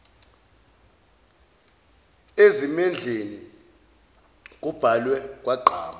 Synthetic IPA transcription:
ezimɛnd͡ɮʱeni | k̬ʼub̥ʱalwɛk̬ʼwaǃʱaːma

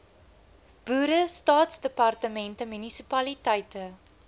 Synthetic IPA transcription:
b̥uːɾəstɑːtsdəpɐrtəmɛntəmynisipɐlitɛjtə

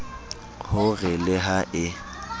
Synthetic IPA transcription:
hʊɣɪlɪɦaʔɪ

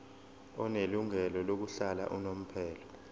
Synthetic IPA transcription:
ɔneluŋɛlɔlok̬uɬala̰ʔunom̩pʰɛːlɔ

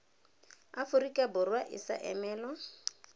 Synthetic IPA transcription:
afʊɾikʼabʊrwaʔɪ̰sa̰ʔɛmɛːlɔ

